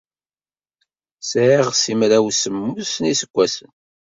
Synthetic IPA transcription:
sʕiʁsimɾæwsəmːusnisəkʷːæsən

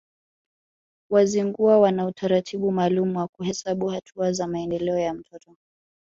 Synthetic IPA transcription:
waziŋɡuawanautʰaɾatʰiɓumaːlumuwakuɦɛsaɓuhatʰuazamaɛndɛlɛɔjam̩tʰɔtɔ

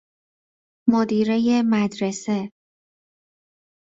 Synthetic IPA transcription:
mod̪iːɾeje̞mæd̪ɾese

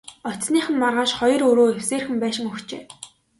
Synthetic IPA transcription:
ɔt̪sniːχə̆nmarʁaːʃχɔjɞ̆rɵɾoːewseːrxɘ̆mpæːʃɪ̆ŋɵxt͡ɕḛː

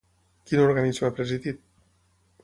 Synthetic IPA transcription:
kinuɾɣanizmapɾeziðit̪̚

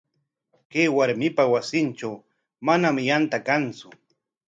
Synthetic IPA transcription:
kejwaɾmɪpawasɪnt͡ʃaw | manamjant̪akant͡sʊ

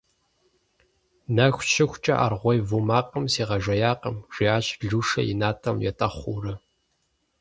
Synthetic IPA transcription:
nɐxʷʃʰɪxʷt͡ʃʼɐ̰ʔa̰rʁʷɔjvumaːqəmsiːʁɐʒʷɐjaːqəmʒ̥ʷiaːɕɮuːʂɐ̰jɪ̰naːtʰɐmjɛ̰tʼɐχʷuːrɨ

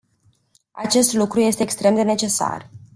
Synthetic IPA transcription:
at͡ʃe̞st̪lukɾuje̞st̪eːkst̪ɾe̞md̪e̞ne̞t͡ʃe̞sa̰r

